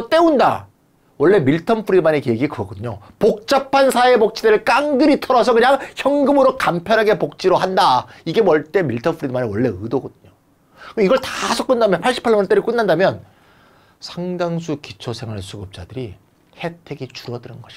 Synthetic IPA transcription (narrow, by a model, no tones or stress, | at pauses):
t͈e̞unda̰ | wʌɭːe̞miɭtʰʌnpʰɯɾimanekeɡikɯʌɡʌdɯɲo | pok̚t͡ɕ͈apʰansʰaepok̚t͡ɕ͈ʰidɯɾɯɭk͈aŋɡɯɾitʰʌɾʌsʰʌkɯɲaŋçjʌŋɡɯmɯɾokampʰjʌnɦaɡe̞pok̚t͡ɕ͈iɾoɦandaiɡe̞mwʌɭt͈e̞miɭtʰʌnpʰɯɾidmanewʌɭːe̞ɯdoɡʌdɯɲo | ɯiɡʌɭtasʰʌk͈ɯnːdamjʌnpʰaɭɕ͈ʰi̥pʰaɭmʌnt͈eɾɯɭk͈ɯnːandamjʌn | sʰaŋdaŋs̬ʰukit͡ɕʰosʰe̞ŋɦaɭsʰuɡɯp̚t͡ɕ͈a̰dɯɾi | he̞tʰe̞ɡit͡ɕuɾʌdɯɾɯnɡʌɕʰi